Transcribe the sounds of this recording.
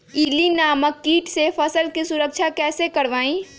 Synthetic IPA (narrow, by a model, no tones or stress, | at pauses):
iːlinaːməkːiːʈsefɐsəlkisʊɾəkʃʰakɛːsekɐɾʋaːĩː